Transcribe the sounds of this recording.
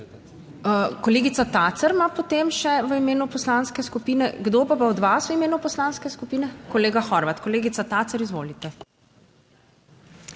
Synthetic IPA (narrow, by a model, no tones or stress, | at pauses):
əkɔleːɡit̪sat̪aːt̪səɾmapot̪emʃɛʋəimeːnupɔslanskɛskupiːnɛɡd̪opapaɔd̪ʋasʋəimeːnupɔslanskɛskupiːnɛkɔleːɡaxɔɾʋat̪kɔleːɡit̪at̪at̪səɾizʋo̰ːlit̪ɛ